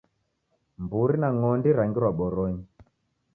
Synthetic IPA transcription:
mbuɾinaŋɔndiɾaŋɡiɾwaɓɔɾɔɲi

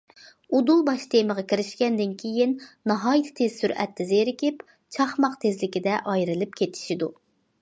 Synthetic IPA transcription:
ud̪ulˠbɑʃt̪ʰeməʁɑkʲʰiɾɪʃkʲɛnd̪ɪnkʲʰejinnɑɦɑːjit̪ʰt̪ʰez̥syɾɛ̰t̪ʰːɪzeɾɪkʲɪp | t͡ʃʰɑχmɑqt̪ʰezlɪkʲid̪ɛʔɑjɾɨlˠɨpkʲʰet̪ʰɪ̥ʃid̪u

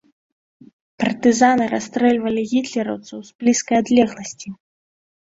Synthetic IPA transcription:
pɐrt̪ɨzanɨɾast̪ɾɛlʲvɐlʲiɣʲit̪lʲɛɾɐwt̪sɐwz̥blʲiskɐjad̪lʲɛɣlˠɐsʲt͡sʲi

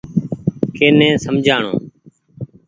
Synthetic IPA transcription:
keːnɛ̃ːsəmd͡ʒʱaːɳõ̰ː

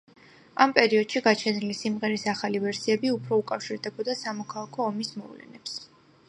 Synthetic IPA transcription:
ampʼɛɾiɔd̪̥ʃiɡat͡ʃʰɛnilisimʁɛɾisaχalivɛɾsiɛbiupʰɾɔukʼafʃiɾd̪ɛbɔd̪asamɔkʰalˠakʰɔːmismɔvlɛ̰nɛps

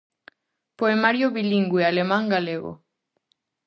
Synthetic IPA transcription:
poemaɾjoβiliŋɡuealemãŋɡaleɣ̞o̰

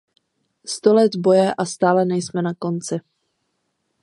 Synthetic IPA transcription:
st̪o̞lɛd̪bo̞jɛʔast̪aːlɛnɛjsmɛnako̞nt͡sɪ

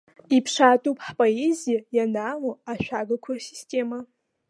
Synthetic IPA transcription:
ipʰʂaːtʼupʰħpʼoezijajanawoaʃᶣʷaɡakʷʰasistʰʲʼe̞ma

